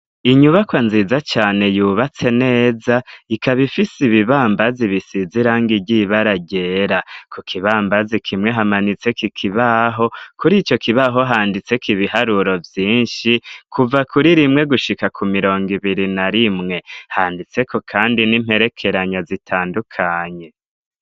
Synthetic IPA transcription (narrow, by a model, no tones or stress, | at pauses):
iɲuβakwanzizat͡ʃaːne̞juβat͡se̞ne̞ːzaikaβifisiβiβaːmbaziβisiziɾaŋɡiɟiβaɾaɟe̞ːɾakʰukʰiβaːmbazikʰimŋe̞ɦamanit͡se̞kikʰiβaɦo̞kuɾiːt͡ʃo̞kʰiβaɦo̞ɦaːndit͡se̞kʰiβihaɾuɾo̞vjiːnʃikʰuvakuɾiɾimŋe̞ɡuʃikakʰumiɾo̞ːŋɡiβiɾinaɾimŋe̞haːndit͡se̞kʰo̞kʰaːndinim̥he̞ɾe̞kʰe̞ɾaɲazitʰaːndukʰaːɲe̞